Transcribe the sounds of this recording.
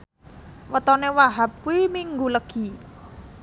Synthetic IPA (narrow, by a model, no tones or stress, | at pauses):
wət̪ɔnewaɦap̚wimiŋɡuləɡ̥i